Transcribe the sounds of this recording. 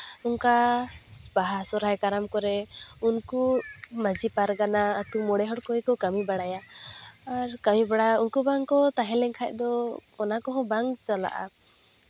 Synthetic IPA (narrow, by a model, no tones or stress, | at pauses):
unkasbaɦasɔɾajkaɾamkɔɾɛunkumad͡ʒipaɾɡanaːt̪umɔɽɛɦɔʈkɔjkɔkamibaɽajaː | ɾkamibaɽajaunkubaŋkɔt̪aɦɛ̃lɛŋkʰac̚ˀd̪ɔɔnakɔɦɔ̃baŋt͡ʃala̰ʔa̰